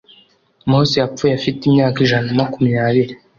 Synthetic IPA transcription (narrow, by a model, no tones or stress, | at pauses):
musijapfujafitimɲaːkiʒanamakumɲaːβiɾi